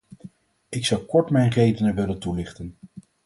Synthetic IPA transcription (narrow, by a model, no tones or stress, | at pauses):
ɪksɑwkɔɹtmɛjnrejdənəʋɪləntulɪχtən